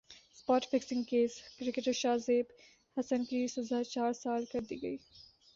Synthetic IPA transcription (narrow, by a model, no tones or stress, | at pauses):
spaːʈfɪksɪ̃ŋɡkeːskɾɪkeʈɐʃaːzeb | hɐsɐnkisɐzaːt͡ʃaːɾsaːlkɐɾd̪iɡɐ̰i